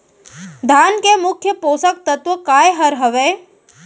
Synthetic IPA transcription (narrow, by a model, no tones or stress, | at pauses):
d̪ʱaːnkemʊkʰːjəpoːsək̚t̪ɐt̪ʋəkaːjɦɐɾɦɐʋeː